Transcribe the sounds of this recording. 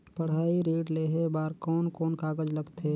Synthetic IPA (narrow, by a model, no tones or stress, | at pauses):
pəɽ̤aːiɾeːʈleɦebaːɾkɔːnkɔːnkaːɡəd͡ʒləɡt̪ʰe